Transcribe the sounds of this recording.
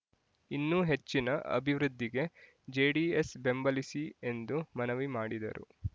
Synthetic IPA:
inːuɦe̞t͡ʃːinɐʔɐ̰bʱiʋɾud̪ːiɡe̞ | d͡ʒeːɽiːesbe̞mbɐlisie̞nd̪umɐnɐʋimaːɽid̪ɐ̰ɾṵ

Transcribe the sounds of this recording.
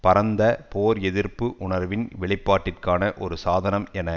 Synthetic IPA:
pɐɾɐnd̪ɐpoːɾɛðɪrpɯʔʊɳɐɾʋɪnʋɪɭɪpːaːʈːɪrkaːnɐʔɔɾɯsaːðɐnɐmɛnɐ

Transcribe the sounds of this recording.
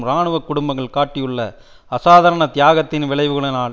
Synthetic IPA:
mɾaːɳɯʋɐkːʊɽʊmbɐŋɣɐɭkaːʈːɪjɯɭːɐ | ɐsaːðɐːɾɐɳɐt̪ɪjaːɣɐt̪ːɪnʋɪɭɐɪʋɯɣɐɭɯnaː

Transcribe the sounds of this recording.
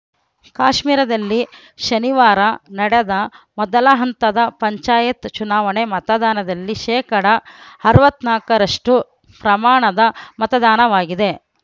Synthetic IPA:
kaːʃmiːɾɐd̪ɐlːi | ʃɐniʋaːɾɐnɐɽed̪ɐmɔd̪ɐlɐɦɐnt̪ɐd̪ɐpɐɲt͡ʃaːjɐt̪t͡ʃunaːʋɐɳemɐt̪ɐd̪aːnɐd̪ɐlːiʃɛːkɐɽɐɐɾuʋɐt̪naːkɐɾɐʂʈu | pɾɐmaːɳɐd̪ɐmɐt̪ɐd̪aːnɐʋaːɡid̪e̞

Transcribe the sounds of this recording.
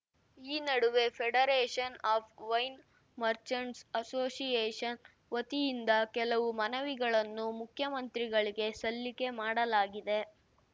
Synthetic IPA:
iːnɐɽuʋe̞pʰeɽɐɾeːʂɐnaːpʰʋɐjn | mɐɾt͡ʃɐɳsɐsoːsijeːʂɐn | ʋɐt̪ijind̪ɐkɛlɐʋumɐnɐʋiɡɐɭɐnːumukʰjɐmɐnt̪ɾiɡɐɭiɡe̞sɐlːike̞maːɽɐlaːɡid̪e̞

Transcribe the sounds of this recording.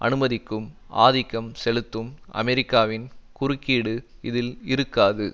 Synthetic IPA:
ʔɐ̰nɯmɐðɪkːɯm | a̰ːðɪkːɐmsɛlɯt̪ːɯmʔɐ̰mɛɾɪkːaːʋɪnkʊɾɯkːiːɽɯ | ɪðɪlɪɾɯkːaːðɯ

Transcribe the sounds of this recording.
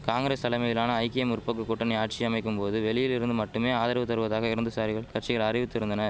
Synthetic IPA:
kaːŋɡɪɾeːst̪ɐlɐmɐjɪlaːnɐɐɪkɪɛmʊɾpːɐk̬ːɯkːʊʈːɐnɐɪaːʈ̚t͡ʃiɐmɐɪkːɯmpoːðɯʋɛɭɪjɪlɪɾɯnd̪ɯmɐʈːɯmeːaːðɐɾɐʋɐt̪ːɐɾʋɐðaːɣɐɪɾɯnd̪ɯsaːɾɪɣɐɭkɐɾʈt͡ʃːɪɣɐɭɐɾɪʋɯt̪ːɪɾɯnd̪ɐnɐ

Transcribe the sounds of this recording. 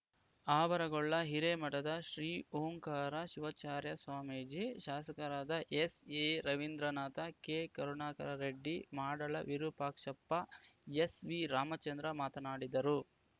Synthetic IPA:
aːʋɐɾɐɡɔɭːɐɦiɾemɐʈɐd̪ɐʃɾiːoːŋkaːɾɐʃiʋɐt͡ʃaːɾjɐsʋaːmeːd͡ʒiʃaːsɐkɐɾaːd̪ɐʔeseɾɐʋind̪ɾɐnaːt̪ɐkeːkɐɾunaːkɐɾɐɾeɖːimaːɽɐɭɐ̰ʋiɾupaːkʂɐpːɐesʋiɾaːmɐt͡ʃɐnd̪ɾɐmaːt̪ɐnaːɽid̪ɐɾu

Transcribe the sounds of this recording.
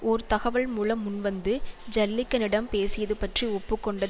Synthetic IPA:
ɔɾɯt̪ɐɣɐʋɐɭmuːlɐmːʊnʋɐnd̪ɯd͡ʒɐlːɪkːɐnɪɽɐmpeːsɪjɐðɯpɐʈriɔpːɯkːɔɳɖɐ

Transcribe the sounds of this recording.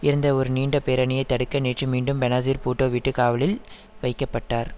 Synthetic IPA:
ɪɾɯnd̪ɐɔɾɯniːɳɖɐpeːɾɐnɪjɐɪt̪ːɐɽɯkːɐneːʈrɯmiːɳɖɯmbɛnaːs̬iːɾpuːʈːoːʋiʈːɯkaːʋɐlɪl | ʋɐɪkːɐpːɐʈːaːɾ

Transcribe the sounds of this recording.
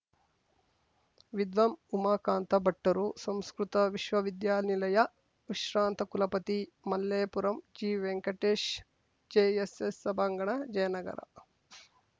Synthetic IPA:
ʋid̪ʋɐmumɐːkaːnt̪ɐbɐʈːɐɾusɐmskɾut̪ɐʋiʃʋɐʋid̪jaːnilɐjɐ | ʋiʃɾaːnt̪ɐkulɐpɐt̪imɐlːeːpuɾɐmd͡ʒiːʋeŋkɐʈeːʃ | d͡ʒeːesesːɐbʱaːŋɡɐɳɐd͡ʒɐjɐnɐɡɐ̰ɾɐ̰

